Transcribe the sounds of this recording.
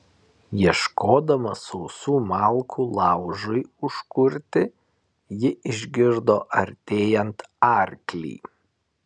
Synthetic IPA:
jiɛʃkoːd̪ɐmɐsɔʊsuːmɑˑlˠˑkʰuːlˠɑˑʊʒʊɪʊʃkʊɾʲt̪ʲɪ | jɪʔɪʒʲɡʲɪɾd̪oːʔɐɾʲt̪ʲeːjɛnt̪ɑˑɾʲklʲḭː

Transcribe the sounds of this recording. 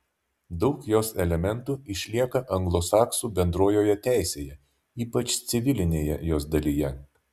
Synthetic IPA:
d̪ɒʊkjoːsɛlʲɛmʲɛnt̪uːɪʃʲlʲiɛkɐʔɐŋɡlˠosɑːksuːbʲɛnd̪ɾoːjoːjɛt̪ʲæˑɪsʲeːjɛ | iːpɐt͡ʃt̪sʲɪʋʲɪlʲɪnʲeːjɛ̰joːsd̪ɐlʲijɛ

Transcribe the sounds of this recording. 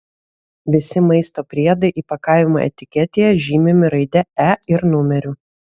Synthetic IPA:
ʋʲɪsʲɪmɐɪst̪oːpʲɾʲiɛd̪ɐɪʔiːpɐkɑˑɪʋʲɪmo̰ʔɛ̰t̪ʲɪkʲɛt̪ʲeːjɛʒʲiːmʲemʲɪɾɐɪd̪ʲɛæɪɾnʊmʲɛɾʲʊ

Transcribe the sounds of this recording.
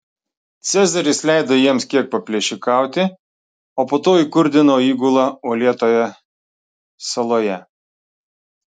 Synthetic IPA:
t̪sʲæˑzɐɾʲɪslʲæɪd̪ojiɛmskʲiɛk̚pɐpʲlʲiɛʃʲɪkɑˑʊt̪ʲɪ | oːpoːt̪oːikʊɾʲd̪ʲɪnoːiːɡʊlˠɑuːlʲiɛt̪oːjɛ | sɐlˠoːjɛ

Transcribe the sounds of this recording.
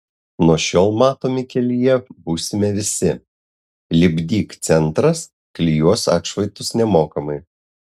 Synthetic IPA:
nuɔʃʲoːlˠmɑːt̪oːmʲɪkʲɛlʲɪjɛbuːsʲɪmʲɛʋʲɪsʲɪ | lʲɪbʲd̪ʲiːkt̪sʲɛnˑt̪ɾɐs | klʲijuɔsɑ̰ːt̪ʃʋɐɪt̪ʊsnʲɛmoːkɐmɐɪ

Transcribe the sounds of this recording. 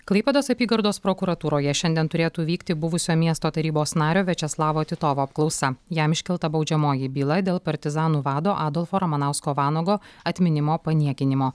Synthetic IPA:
klˠɐɪpʲɛd̪oːsɐpʲiːɡɐɾd̪oːspɾokuɾɐt̪uːɾoːjɛʃʲɛnʲd̪ʲiɛnt̪ʊɾʲeːt̪uːʋʲiːkt̪ʲɪbʊʋʊsʲoːmʲiɛst̪oːt̪ɐɾʲiːboːsnɑːɾʲoːʋʲɛt͡ʃʲɛslˠɑːʋoːt̪ʲɪt̪oːʋoːɐp̚klˠɒʊsɐjæmɪʃʲkʲɪlˠt̪ɐbɒʊd͡ʒʲɛmoːjɪbʲiːlˠɐd̪ʲeːlˠpɐɾʲt̪ʲɪzɑːnuːʋɑːd̪oːʔɑːd̪ɔlʲˠfoːɾɐmɐnɑˑʊskoːʋɑːnoːɡoːɐt̪ʲmʲɪnʲɪmoːpɐnʲiɛkʲɪnʲɪmoː

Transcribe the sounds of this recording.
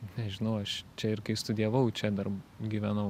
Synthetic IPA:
nʲɛʒʲɪnɐʊɐʃt͡ʃʲɛɪɾkɐɪst̪ʊd̪ʲɪɛʋɐʊt͡ʃʲɛd̪ɐrɡʲiːʋʲænɐʊ

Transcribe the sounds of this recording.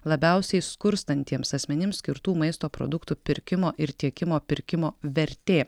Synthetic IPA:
lˠɐbʲɛʊsʲɛɪskʊɾst̪ɐnʲt̪ʲiɛmsɐsʲmʲɛnʲɪmsʲkʲɪɾt̪uːmɐɪst̪oːpɾo̰ːd̪ʊkt̪ʊpʲɪɾʲkʲɪmoːʔɪɾt̪ʲiɛkʲɪmoːpʲɪɾʲkʲɪmoːʋʲɛɾʲt̪ʲeː

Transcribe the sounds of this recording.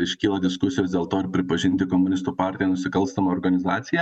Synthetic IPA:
ɪʃʲkʲiːlˠɐd̪ʲɪskʊsʲɪjoːsd̪ʲeːlˠt̪oːɪɾpʲɾʲɪpɐʒʲɪnʲt̪ʲɪkoːmʊnʲɪst̪uːpɑːɾʲt̪ʲɪjɛnʊsʲɪkɐlˠʲst̪ɐmɐɔːɾɡɐnʲɪzɑːt̪ʲɪjɛ

